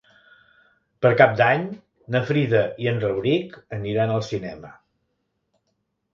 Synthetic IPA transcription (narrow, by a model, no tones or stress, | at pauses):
pəɾkap̚d̪aɲ | nəfɾiðəiənrəwɾikəniɾanəlˠsinɛmə